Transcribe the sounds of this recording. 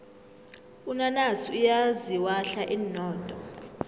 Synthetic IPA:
unanasiujaziwaɬaʔiːnɔːtʼɔ

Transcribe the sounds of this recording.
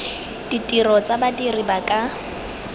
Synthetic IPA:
d̥itʼirɔt͡sʼabadiribakʼa

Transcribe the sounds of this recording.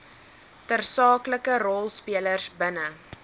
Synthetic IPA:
tərsɑːkləkəɾɔlˠspiələrsbənə

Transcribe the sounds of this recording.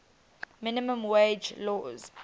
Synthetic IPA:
mɪnimə̃mwed͡ʒlɔz̥

